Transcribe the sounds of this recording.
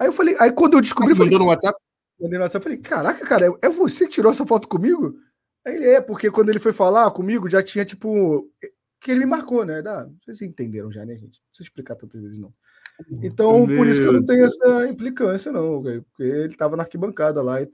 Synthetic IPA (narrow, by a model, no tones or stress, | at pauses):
aiewfalejʔaikwɐ̃d̪ʊewd͡ʒiʃkubbɾiemfãed̪onʊwat̪sap̚ | mɐ̃d̪ejnwatsapfalejkʰaɾakɐkaɾɐɛɛvosekɪt͡ʃiɾoɛsɐfɔt̪ʊ̥kõmiɡʊ | elɪɛpoɾkekwɐ̃nd̪ʊelɪfojfalakõmiɡʊʒat͡ʃĩɲɐt͡ʃi̥pʊ | kɪelɪmɪmaɾkonɛd̪asezẽt̪ẽnd̪eɾɐ̃w̃ʒa̰nḛ̃ʒḛ̃t͡ʃɪñseɪʃplikat̪ɐ̃nt̪ɐzvezɪʒnɐ̃w̃ | ẽnt̪ɐ̃w̃poɾisʊkkewnɐ̃w̃t̪ẽɲʊɛsɐĩplikɐ̃sijɐnɐ̃w̃okejpo̥keelɪt̪avɐnɐahkibɐ̃ŋkad̪ɐlaɪ